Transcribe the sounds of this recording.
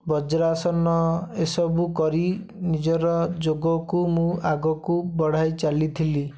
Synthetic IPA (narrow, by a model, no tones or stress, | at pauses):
bɔd͡ʒɾasɔnɔesɔbukɔɾi | nid͡ʒɔɾɔd͡ʒoɡɔkumũaɡɔkubɔɽ̤ajt͡ʃalit̪ʰili